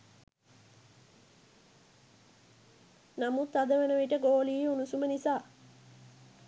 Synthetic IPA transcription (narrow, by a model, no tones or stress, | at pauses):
namut̪ad̪əʋenəʋiʈəɡoːlijeunusumənisaː